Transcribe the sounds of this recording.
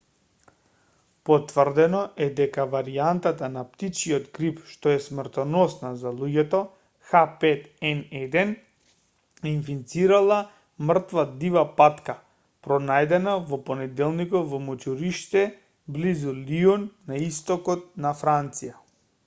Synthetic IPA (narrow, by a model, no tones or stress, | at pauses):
pɔt̪vərd̪ɛnɔʔɛd̪ɛkavaɾiant̪at̪anapt̪it͡ʃiɔd̪ɡɾipʃt̪ɔɛsmr̩t̪ɔnɔsnazalˠuɟɛt̪ɔ | xapɛt̪ɛnɛd̪ɛn | infint̪siɾalˠa | mr̩t̪vad̪ivapat̪ka | pɾɔnajd̪ɛnavɔpɔnɛd̪ɛlˠnikɔtvɔmɔt͡ʃuɾiʃt̪ɛ | blizuliɔnːaist̪ɔkɔt̪̚nafɾant̪sija